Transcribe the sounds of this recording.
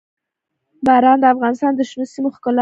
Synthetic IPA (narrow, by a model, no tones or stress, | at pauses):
baɾɑnd̪əafɣɑnɪst̪ɑnd̪əʃnusimoxkɑl